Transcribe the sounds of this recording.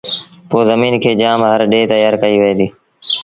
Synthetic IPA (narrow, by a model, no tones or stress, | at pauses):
poːzəmiːnkʰeːd͡ʒaːmɦəɾɗeːt̪əjaːɾkəiʋɪɦẽːd̪iː